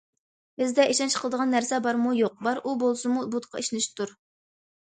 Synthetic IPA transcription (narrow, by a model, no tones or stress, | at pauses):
bɪzd̪ɛʔiʃɑnt͡ʃʰqʰəlˠəd̪əʁɑnːæɾsɛbɑɾmujoq̚bɑɾʔubolˠsumubut̪qʰɑ̰iʃnɪʃt̪ʰuɾ